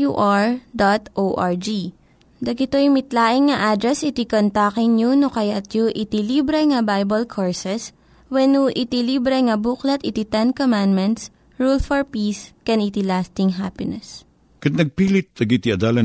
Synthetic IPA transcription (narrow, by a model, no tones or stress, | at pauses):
jṵʔaɹd̪at̪ʔoʔaɹd͡ʒi | d̪ɐɡɪt̪ojʊmɪt̪laːʔɪŋːɐʔad̪ɾɛsɪt̪ikont̪akɪŋɲunokɐjat̪juʔɪt̪ilibɾɛŋɐbajbɐlkʰoɹsɛs | wɛnuʔɪt̪ilibɾɛŋɐbuklɐt̪ɪt̪it̪ɛnkomand̪mɛnt̪s | ɹulfɔɹpiskɛnit̪ilast̪ɪŋɦapɪnɛs | kɐt̪̚nɐɡ̚piːlɪt̪̚d̪ɐɡit̪iɐd̪aːlɐ